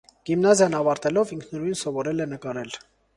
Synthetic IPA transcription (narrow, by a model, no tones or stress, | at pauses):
ɡ̥imnɑzjɑnɑvɑɾt̪ɛlɔviŋkʰnɔɾujnsɔvɔɾɛlɛnəkɑɾɛl